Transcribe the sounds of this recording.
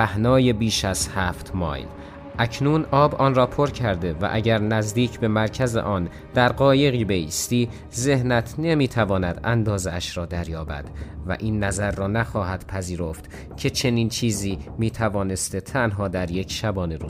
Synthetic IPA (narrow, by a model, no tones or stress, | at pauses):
æhnɒːje̞biːʃæz̥hæːft̪ʰmɒ̰ːjl | ʔæcʰnuːnɒːbʔɒːnrɒːpʰo̞ɾcʰæɾd̪e̞væ̰ʔæɟæɾnæzd̪iːcʰbe̞mæɾcʰæzḛʔɒːn | d̪̥æɾɢɒːje̞ɣiːbe̞ḭːst̪iː | ze̞hnæt̪ʰne̞miːt̪ʰævɒːnæd̪ænd̪ɒːzeæʃɾɒːd̪æɾjɒːbæ̰d̪̥væ̰ʔiːnːæzæɾːɒːnæxɒːhæd̪̥pʰæziːɾoft̪ | cʰe̞t͡ʃʰe̞niːnt͡ʃʰiːziːmiːt̪ʰævɒːne̞st̪e̞t̪ʰænɦɒːd̪æɾjecʰʃæbɒːne̞ɾṵ